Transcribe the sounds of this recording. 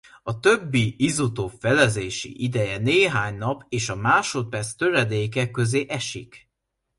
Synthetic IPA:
ɒt̪ø̞bːiizut̪oːfɛlɛzeːʃḭʔid̪ɛjɛneːɦaːɲnɒpeːʃɒmaːʃo̞t̪̚pɛrt̪st̪ø̞ɾɛd̪eːkɛkːø̞zeːʔɛʃḭk

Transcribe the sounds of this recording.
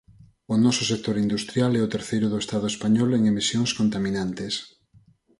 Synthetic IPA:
ʊnɔsʊsek̚t̪oɾind̪ust̪ɾjalɛʊt̪eɾθejɾʊðʊest̪aðʊespaɲɔleŋemisjoŋskont̪amĩnant̪es

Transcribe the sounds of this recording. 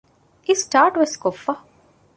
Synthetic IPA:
isʈaːɾʈʋɪskofɐ

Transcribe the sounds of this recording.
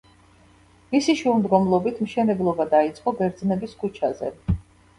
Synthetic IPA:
misiʃɛumd̪ɡɔmlˠɔbit̪ʰmʃɛnɛblˠɔbad̪ait̪sʼqʼɔbɛɾd̪znɛbiskʰut͡ʃʰazɛ̰

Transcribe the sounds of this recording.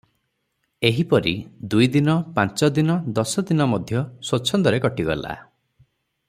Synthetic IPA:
eɦipɔɾḭd̪ujd̪inɔpãnt͡ʃɔd̪inɔd̪ɔsɔd̪inɔmɔd̪ʱjɔsot͡ʃʰːɔnd̪ɔɾekɔʈiɡɔ̰lʔa̰

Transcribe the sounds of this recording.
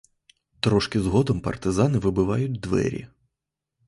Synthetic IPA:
t̪ɾɔʃkɪzɦɔd̪ɔmpɐ̰rt̪ɪzɑnɪʋɪbɪʋɑjʊtʲd̪ʋɛ̰ɾʲḭ

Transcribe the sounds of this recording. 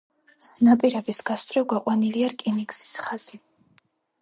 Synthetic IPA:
napʼiɾɛbisɡast̪ʼɾɛɡwaqʼwaniliaɾkʼinikʼsi̥sχaz̥i

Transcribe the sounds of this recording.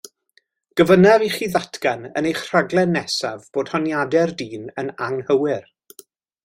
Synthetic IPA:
ɡ̥əvənɛviχiːðatʰɡanə̰nejχr̥aɡlˠɛnːɛsavb̥oːd̥hɔnjadɛrdiːnənaŋhəwɪr

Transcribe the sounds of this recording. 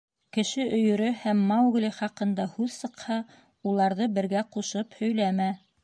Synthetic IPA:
kɘ̆ʃɘʔɵ̆jɵ̆ɾɵhæmːɑwɣliχɑqɤ̆nd̪ɑhʉðsɤ̆qhɑ | ulˠɑɾðɤbɘ̆ɾɡæquʃɤphɵ̆jlæmæ

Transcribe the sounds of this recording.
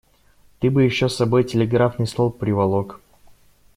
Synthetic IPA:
t̪ɨbɨjɪɕːosːɐbo̞jtʲɪlʲɪɡɾafnɨjslˠolˠpɾʲɪvɐlˠok

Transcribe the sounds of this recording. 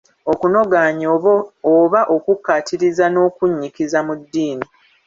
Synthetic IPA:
okuno̞ɡaːɲooβaʔo̞kukːatʰiɾizano̞ːkuɲːikizamudːiːni

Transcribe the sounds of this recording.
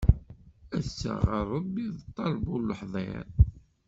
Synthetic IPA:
æθsːə̰ʁəɾˤəbːiðt̪ˤːɑlbulːəħðˤɑ̰ɾ

